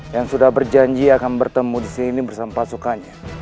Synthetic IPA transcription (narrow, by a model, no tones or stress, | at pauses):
jaŋsudahbərd͡ʒaɲd͡ʒiakanbərt̪əmudisinibərsamapasukanɲa